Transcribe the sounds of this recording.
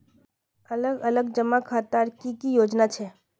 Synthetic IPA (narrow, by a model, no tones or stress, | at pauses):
ələɡələɡd͡ʒəmakʰaːt̪aɾkikijoːd͡ʒnat͡ʃʰeː